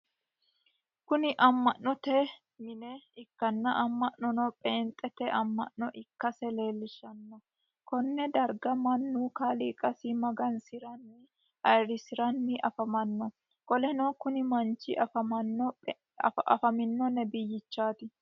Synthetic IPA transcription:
kʊnɪʔɐmːɐʔːɔt̪ɛ | mɪnɛɪkːɐnːɐʔɐmːɐʔnɔnɔpʼeːnt̪ʼːɛt̪ɛʔɐmːɐ̰ʔnɔʔɪkːɐsɛle̞ːlːɪʃɐnːɔ | kɔnːɛd̪ɐɾɡɐmɐnːuːkaːliːkʼɐsimɐɡɐnsɪɾɐnːɪ | ʔɐjɾɪsɪɾɐnːɪʔɐfɐmɐnːɔ | kʼɔlɛnokʊnɪmɐnt͡ʃːɪ̰ʔɐfɐmɐnːɔ | ɐ̰fɐmɪnːɔnɛbɪjːɪt͡ʃːaːt̪ɪ

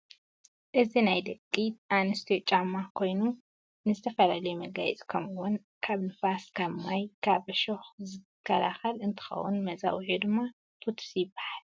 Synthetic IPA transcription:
ʔɨzinajd̪ɐkʼːiʔanɨst̪ʰot͡ʃʼamːakʰo̞jnu | nɨzɨt̪ʰɐfɐlalɐjumɐɡajt͡sʼkʰɐmɨwun | kʰaβnɨfaskʰɐβmajkʰaβʃoxzɨɨkʰːɐla̰xɐlɨnt̪ʰɨ̥xɐ̰wṵnmɐza̰wʕud̪ɨmːa | t̪ʰot̪ʰsibḁhal

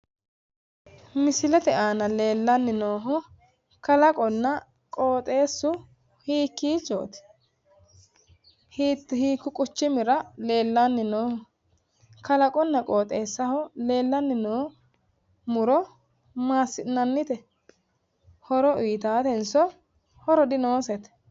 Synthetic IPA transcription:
mɪsɪlɛt̪ɛaːnɐle̞ːlːɐnːɪnoːɦʊ | kɐlɐkʼɔnːɐ | kʼoːt̪ʼe̞ːsːʊ | hiːkːiːt͡ʃːo̰ːt̪ɪ̥ | hiːt̪ːhiːkːʊkʼʊt͡ʃːɪmɪɾɐle̞ːlːanːɪnoːhʊ | kɐlɐkʼɔnːɐkʼoːt̪ʼe̞ːsːɐhɔle̞ːlːɐnːɪnoː | mʊɾɔ | maːsːɪnɐnːɪt̪ɛ | hɔɾɔʔiːt̪aːt̪ɛnsɔ | hɔɾɔd̪ɪnoːsɛt̪ɛ̥

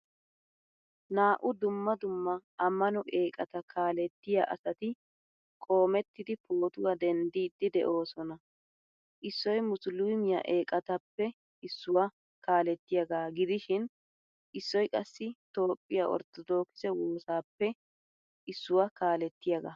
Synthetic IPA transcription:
naːʔʊd̪ʊmːɐd̪ʊmːɐʔɐmːɐnɔʔeːkʼɐt̪ɐkʰaːlɛt̪ːɪjaʔɐ̰sɐt̪ɪ | kʼo̞ːmɛt̪ːɪd̪ɪpoːt̪ʊwad̪ɛnd̪iːd̪ːɪd̪ɛ̰ʔo̞ːsɔnɐ | ʔɪsːɔjmʊsluːmɪjɐ̰ʔeːkʼɐt̪ɐpːɛ | ɪsːʊwa | kaːlɛt̪ːɪjɐɡaːɡɪd̪ɪʃɪn | ʔɪsːɔjkʼɐsːɪt̪o̞ːpʼːɪjaʔɔ̰ɾt̪ɔd̪o̞ːkɪ̥sɛwo̞ːsaːpːɛ | ɪsːʊwakaːlɛt̪ːɪjɐɡa̰

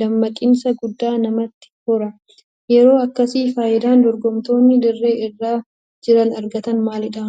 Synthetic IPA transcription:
d̪ɐmːɐkʼɪnsɐɡʊd̪ːaːnɐmɐt̪ːɪ̥hʊɾɐ | jɛɾo̞ːɐkːɐsiːfaːjɪd̪aːnd̪ɔɾɡɔmt̪o̞ːnːɪd̪ɪrːe̞ːɪrːaː | d͡ʒɪɾɐnɐɾɡɐt̪ɐnmaːlɪᶑɐ

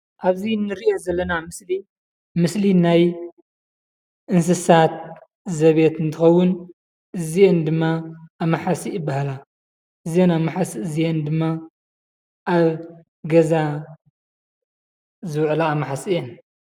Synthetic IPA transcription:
ʔaβzinːɨɾiʔozɐlːɐnamɨsli | mɨslinaj | ʔɨns̬ɨsat̪̚ | zɐβet̪ɨnt̪ʰɨxɐwːʊn | ʔɨziʔend̪ɨmːaamaħasiɨbahala | ʔɨzienamaħasiɨziend̪ɨmːa | ʔaβ | ɡɐza | zɨwʕlaːmːaħasiʔen

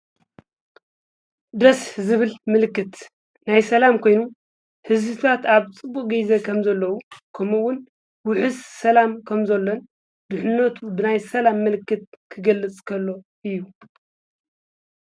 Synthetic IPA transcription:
d̪ɐszɨβɨlmɨlɨkːɨt̪ | najsɐlamkʰo̞jnu | hɨzbit̪ʰat̪aβt͡sʼɨbːukʼɡɐjzɐkʰɐmzɐlːɐwukʰɐmuwʊn | wʊħɨssɐlamkʰɐmzɐlːo̞n | bɨħɨnːɐt̪ʰubɨnajsɐlamːɨlɨkːɨt̪̚kʰɨɡɐlːɨt͡sʼkʰɐlːo̞ʔɨjːu

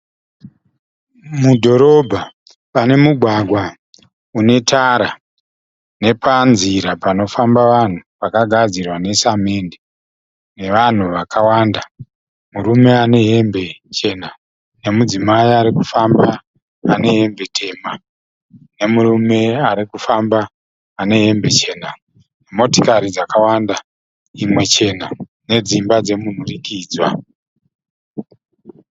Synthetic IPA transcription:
mudʱo̞ɾo̞bʱa | pane̞muɡʱwaɡʱwa | une̞taɾa | ne̞panziɾapano̞fambaʋan̤upakaɡʱad͡zirwane̞samende | ne̞ʋan̤uʋakʰawanda | muɾume̞ane̞ɦembe̞t͡ʃe̞na | ne̞mud͡zimaiaɾikufambaː | ne̞ɦe̞mbe̞tʰe̞ma | ne̞murume̞aɾikufambaː | ne̞ɦe̞mbe̞t͡ʃe̞ːna | nemo̞to̥kaɾid͡zakawanda | imwe̞t͡ʃe̞ːna | ne̞d͡zimbad͡ze̞mun̤urikiːd͡zwa̰

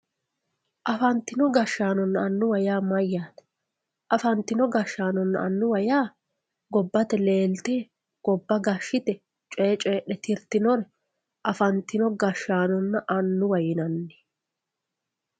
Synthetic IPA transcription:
ʔɐfɐnt̪ɪnɔɡɐʃːaːnɔnːɐɐnːʊwɐjaːmɐjːaːt̪ɛ̥ | ʔɐfɐnt̪ːɪnɔɡɐʃːaːnɔnːɐ̰ɐnːʊwɐjaː | ɡɔbːɐt̪ɛle̞ːlt̪ɛː | ɡ̥ɔbːɐɡɐʃːɪt̪ɛ | t͡ʃʼeːt͡ʃʼe̞ːɗɛt̪ʰɪɾt̪ɪnɔɾɛ | ʔɐfɐnt̪ːɪnɔɡɐʃːaːnɔnːɐʔɐnːʊwɐjɪnɐnːɪ̥

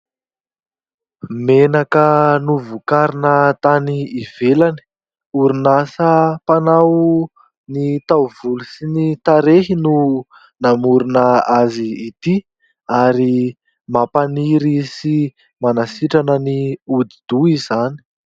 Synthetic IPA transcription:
menakənuvukaɾinət̪aniiv̥elani̥ | uɾinasəpanaw | nit̪awvulusinit̪aɾeɦinu | namuɾunəaziːt̪i | aɾi | mapaniɾisi | manasiʈ͡ʂanəniud̪id̪̥uizani̥

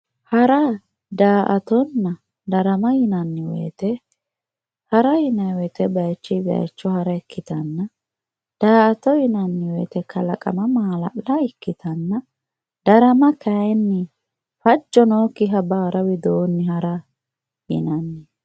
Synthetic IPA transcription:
hɐɾɐ | d̪aːʔɐt̪ɔnːɐ | d̪ɐɾɐmɐjɪnɐnːɪwɛ̰jːt̪ɛ | hɐɾɐjɪnɐjwɛjt̪ɛbɐjt͡ʃːɪbɐ̰jt͡ʃːɔhɐɾɐɪkːɪt̪ɐnːɐ | d̪̥aːɐt̪ɔjɪnɐnːɪwɛːt̪ɛkʰɐlɐkʼɐ̰mɐmaːlɐ̰lɐɪkːɪt̪ʰɐnːɐ | d̪̥ɐɾɐmɐkʰɐɛnːɪ | fɐd͡ʒːɔnoːkːɪɦɐbaɾɐwɪd̪oːnːɪhɐɾɐ | jɪ̰nɐnːɪ

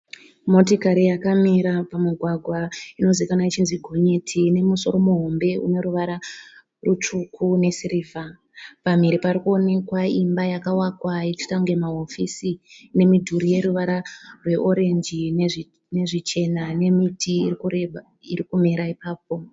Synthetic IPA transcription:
mo̞tikaɾijakamiɾapamiɡʱwaɡʱwaino̞zikanait͡ʃinziɡʱo̞ɲe̞tʰine̞muso̞ɾo̞muɦo̞mbe̞ʔṵno̞ɾuʋaɾa | rut͡ʂukʰune̞siɾiːvʱa | pamiɾipaɾikuone̞kwaimbajakawakwait͡ʃi̥taŋɡemaɦofisine̞midʱuɾije̞ɾuʋaɾarwe̞ʔo̞ɾe̞nd͡ʒin | ne̞ʐit͡ʃe̞nane̞mitʰiːrikure | iɾikumiɾaipaːp̚o̞

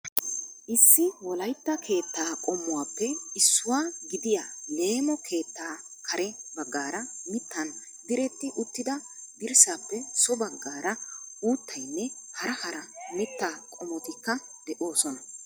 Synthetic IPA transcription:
ʔɪsːɪwɔlɐjt̪ːɐkʰe̞ːt̪ːaːkʼɔmːʊwaːpːɛɪsːʊwaːɡɪd̪ɪjale̞ːmɔkʰe̞ːt̪ːaː | kʰɐɾʔɛbɐɡːaːɾɐmɪt̪ːɐn | d̪ɪɾɛt̪ːɪʔʊt̪ːɪd̪ɐd̪ɪɾsaːpːɛsɔbɐɡːaːɾɐuːt̪ːɐjnːɛhɐɾɐhɐɾɐmɪt̪ːaːkʼɔmɔt̪ɪkːɐ | d̪ɛʔo̞ːsɔnɐ

